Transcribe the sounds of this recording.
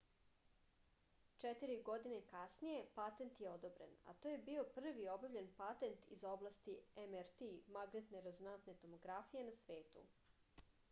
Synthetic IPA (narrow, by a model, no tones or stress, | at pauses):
t͡ʃet̪iɾiɡo̞d̪inekasnije̞pat̪e̞nt̪jeo̞d̪obɾḛna̰t̪oje̞bio̞pr̩ʋio̞baʋʎe̞npat̪e̞nt̪izoblˠast̪iemeɾt̪imaɡnet̪neɾezonant̪ne̞t̪o̞mo̞ɡɾafije̞nasʋeːt̪ṵ